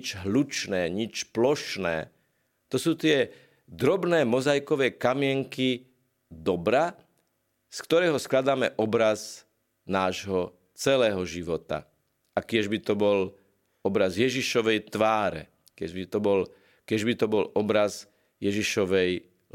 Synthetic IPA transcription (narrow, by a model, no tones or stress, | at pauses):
t͡ʃɦlut͡ʃnɛːɲit͡ʃplɔʃnɛ̰ː | t̪ɔsuːt̪ɪɛ | d̪ɾɔbnɛːmɔzajkɔʋɛːkamɪɛŋki | d̪ɔbɾa | skt̪ɔɾɛːɦɔsklad̪aːmɛʔɔbɾaz | naːʒɦɔ | t͡sɛlɛːɦɔʒiʋɔt̪a̰ | akɪɛʒbit̪ɔbɔl | ɔbɾazjɛʒiʃɔʋɛjt̪ʋaːɾɛ̰ | kɛbit̪ɔbɔl | kɪɛʒbit̪ɔbɔlɔbɾaz | jɛʒiʃɔʋɛj